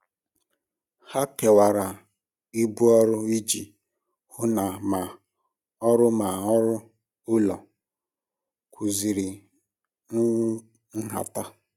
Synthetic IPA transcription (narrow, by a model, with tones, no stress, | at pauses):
ha˦ke˨wa˨ɾa˨ | i˦bu˦ɔ˦ɾʊ˦i˦d͡ʒi˨ | hʊ˦na˨ma˨ | ɔ˦ɾʊ˦ma˨ɔ˦ɾʊ˦ | ʊ˦lɔ˨ | kʰu˨zi˨ɾi˨˦ | n̩˦ɦa̰˨ta˦